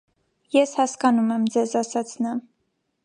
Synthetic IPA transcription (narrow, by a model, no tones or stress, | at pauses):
jɛshɑskɑnumɛmd͡zɛzɑsɑt͡sʰnɑ